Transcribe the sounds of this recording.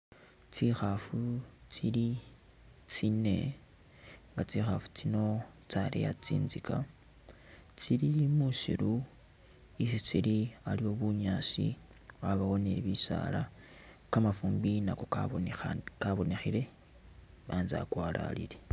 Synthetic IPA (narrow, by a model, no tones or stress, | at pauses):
t͡sixafut͡siɾi | t͡sine̞̰ | ŋɡat͡sixafu̥t͡sino̞t͡saɾḛja̰t͡sḭːnzika | t͡siɾimuʃḭɾu | isit͡silialio̞βuɲaːsḭ | aβaho̞ne̞̰βisa̰la | kamafuːmbinako̞ | kaβo̞ne̞xiɾe̞ | βaːnza̰kwaːla̰liɾe